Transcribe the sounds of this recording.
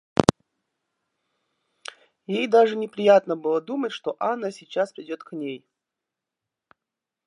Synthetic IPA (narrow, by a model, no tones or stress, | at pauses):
jejd̪aʐɨnʲɪpɾʲɪjat̪nəbɨlˠəd̪umətʲʂt̪o̞ʔanːəsʲit͡ɕːaspɾʲɪdʲo̞t̪knʲej